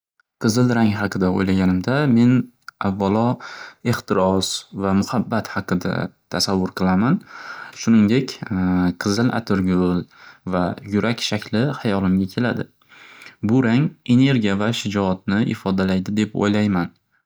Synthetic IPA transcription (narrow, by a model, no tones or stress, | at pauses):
qʰɨzɪlɾaŋɦɑqʰɨd̪ao̰jlaɡʲanɪmd̪ame̞n | avːalˠɒe̞χt̪ɪɾɒsvamʊhabːat̪hɑqɨd̪a̰t̪ʰasavːʊɾqʰɨlˠamanʃʊnɪŋd̪e̞kʲqʰɨzɪlʔa̰t̪ʰɪɾɡʲʊlˠvajʊɾʔakʲʃakʲʰlɪhajɒlˠɪmɡʲakʲʰe̞lad̪ɪ̰ | bʊɾaŋe̞ne̞ɾɡʲijavaʃɪd͡ʒɒːt̪̚nɪʔɪ̰fɒd̪alajd̪ɪd̪e̞po̰jlajman